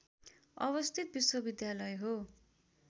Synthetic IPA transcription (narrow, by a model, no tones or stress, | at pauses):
ʌβʌst̪ʰit̪̚biswʌbid̪jalʌjɦo